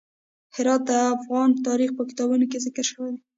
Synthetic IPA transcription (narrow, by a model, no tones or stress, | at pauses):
hɪɾɑt̪̚d̪əafɣɑnt̪ɑɾixpəkɪ̥t̪ɑbunokezɪkəɾʃəwed̪e